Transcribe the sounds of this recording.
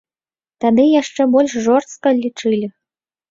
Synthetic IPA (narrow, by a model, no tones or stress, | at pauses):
t̪ad̪ɨjaʂt͡ʂɛbɔlʲʂʐɔrskɐlʲit͡ʂɨlʲi